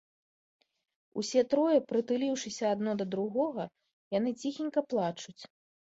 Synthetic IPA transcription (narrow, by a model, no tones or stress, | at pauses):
ṵsʲɛt̪ɾɔjɛpɾɨt̪ɨlʲiwʂɨsʲɐad̪nɔd̪ɐd̪ɾuɣɔɣɐ | jan̪ɨt͡sʲixʲinʲkɐplˠat͡ʂut͡sʲ